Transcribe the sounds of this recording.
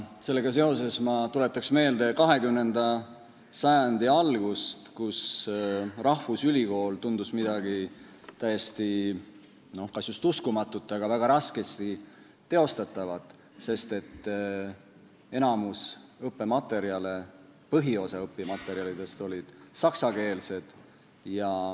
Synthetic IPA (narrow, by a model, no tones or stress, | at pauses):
se̞lːe̞ɡɑs̬e̞o̞s̬e̞smɑt̪ule̞t̪ːˑɑksme̞ːld̪e̞kɑɦe̞kymne̞nd̪̥ɑ | sɑjɑnd̪̥iɑlɡ̥ust̪kus | rɑhvusylʲiko̞ːlt̪und̪usmid̪ɑɡ̥i | t̪æje̞st̪i | no̞hkɑsjust̪uskumɑt̪ːˑut̪ːˑɑɡɑvæɡ̥ɑɾɑske̞st̪i | t̪ːe̞o̞st̪ɑt̪ːˑɑvɑt̪ːˑ | se̞st̪e̞t̪ː | e̞nɑmusɤpːˑe̞mɑt̪ːˑe̞ɾiɑle̞pɤɦio̞sɑɤpːˑimɑt̪ːˑe̞ɾiɑlid̪̥e̞st̪o̞lʲid̪̥sɑksɑke̞ːlse̞d̪̥ | jɑ